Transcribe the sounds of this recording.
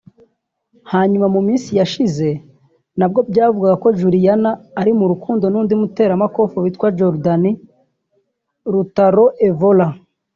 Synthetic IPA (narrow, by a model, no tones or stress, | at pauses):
haːɲumamumiːnsijaʃize̞ | nab̚ɡo̞bɟaːvuɡaɡako̞ʒuɾijanaːɾimuɾukuːndo̞nuːndimute̞ːɾamako̞foβitkwad͡ʒoɾdani | ɾutaɾo̞ʔe̞vola